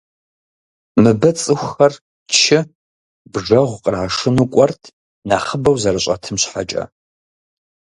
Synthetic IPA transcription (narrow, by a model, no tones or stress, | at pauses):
mɨbɐt͡sʼɨxʷxɐr | tʃɪ | bʐɐʁʷqʼəraːʂɨnuːkʷʼɔrtʰ | naːχəbɐwzɐrɨɕʼɐ̰tʰɨmɕħat͡ʃʼɐ̰